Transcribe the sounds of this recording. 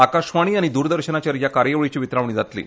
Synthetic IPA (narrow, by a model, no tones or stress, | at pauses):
akaɕʋãiːaɽ̃id̪uːɾd̪əɾɕənat͡ɕaɾjakaɾjəʋɭit͡ɕiːʋit̪ɾaʋɳ̃iːd͡zat̪lḭː